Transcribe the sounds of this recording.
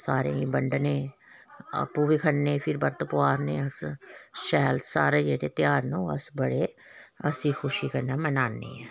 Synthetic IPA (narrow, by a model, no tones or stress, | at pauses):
saːɾḛ̃ːibəɳɖnẽː | ə̰pːuːbikʰənːẽːpʰɪɾbəɾt̪əpʊaːɾnẽːəsʃɛːlsa̰ːɾeːd͡ʒeːɾeːt̪jaːɾnõːə̰sbəɽeːəsiːxʰʊʃiːkənːeːmənaːnːḛːɛː